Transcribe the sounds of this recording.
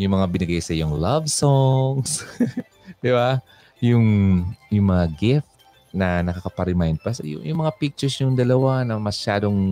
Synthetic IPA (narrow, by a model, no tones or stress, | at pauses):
jʊŋmɐŋabɪnɐɡajsɐjʊŋlɐvsoŋs | d̪̥ɪba | jʊŋjʊŋmɐŋaɡɪft̪ | nɐnɐkɐkɐpɐɾɪmajnd̪̚pɐsjʊ̰ŋjʊŋmɐŋapik̚t͡ʃɛɹsjʊŋd̪ɐlɐwanɐmɐʃaːd̪o̞ŋ